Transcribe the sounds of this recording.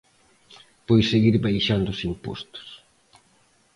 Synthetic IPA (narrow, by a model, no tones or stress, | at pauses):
pojseɣiɾbajʃand̪ʊsimpo̰st̪ʊ̥s